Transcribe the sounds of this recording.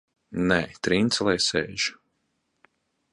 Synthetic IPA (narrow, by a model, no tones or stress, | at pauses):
nɛːt̪ɾint̪slˠɛjsɛːʒ̥u̥